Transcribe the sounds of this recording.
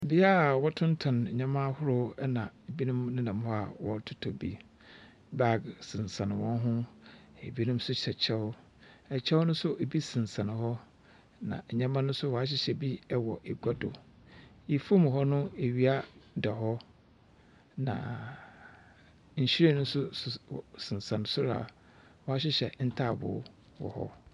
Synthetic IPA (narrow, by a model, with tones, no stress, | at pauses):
bi˦a˦˨wɔ˦tʰʊ̃˦n˦tʰã˨n˨ɲã˨˦mã˦hʊ˦ɾʊ˦ɛ˦nã˨e˨bi˦nʊ̃˦mnɪ̃˦nã˨mhɔ˦a̰˨wɔ˨˦tʰʊ˦tʰɔ˨bḭ˦ | ba˦ɡsɪ̃˨n˨sã˨nɪ̃˨wɔ̃˦n˦ɦʊ̃˦ | e˨bi˦nũ˦m˦sʊ˦ɕɛ˨t͡ɕʰɛ˦ʊ˦ | ɛ˨t͡ɕʰɛ˦wʊ˦nʊ̃˦sʊ˦ʔe˨bi˦sɪ̃˨n̩˨sã˨nɪ̃˨hɔ˦ | nã̰˨ɲɛ̃˦mã˦nʊ̃˦sʊ˦wɔ˨a˦ɕ̬ɪ˦ɕɛ˨bi˦˨wɔ˨ʔɛ˨ɡʷa˦dʊ̰˨ | i˨fu˦m˨ɦɔ˦nʊ̃˦e˨ɥi˦a˦dɛ˨ɦɔ˦ | nã̰˨ | ɲ̩˨ɕi˦ɾe˦nʊ̃˦sʊ˦˨sɪ̃˨sã˨ñ˨sʊ˦ɾa̰˨ | wɔ˨a˦ɕ̬ɪ˦ɕɛ˨n̩˦tʰa˦˨bʊ̰˨˦ | wɔ̰˨hɔ̰˦